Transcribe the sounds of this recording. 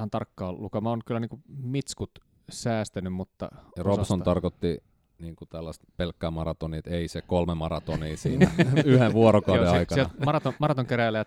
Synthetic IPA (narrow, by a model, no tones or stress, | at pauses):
hɑnt̪ɑrkːɑːllukɑmɑonkylːˑæniːŋkumit̪skut̪ | sæːst̪ænymmut̪ːɑ̰jɑrossont̪ɑrkot̪ːi | niːŋkut̪ælːɑst̪pelkːæːmɑrɑt̪onit̪eisekolmemɑrɑt̪oniːsiːnæyheʋʋuoɾokɑuoeɑɑikɑielmɑrɑt̪omɑrɑt̪oŋkeræilːæjæt̪